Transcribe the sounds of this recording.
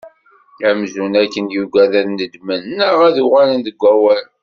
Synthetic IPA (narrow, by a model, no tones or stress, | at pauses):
æmzunækːənjuɡʷæðəɾnəd̪mənnəʁæðuʁælənd̪əɡʷːæwæl